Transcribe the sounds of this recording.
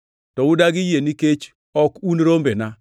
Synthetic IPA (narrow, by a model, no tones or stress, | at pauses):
tɔʊdaɡɪjeniket͡ʃ | ɔkunɾombena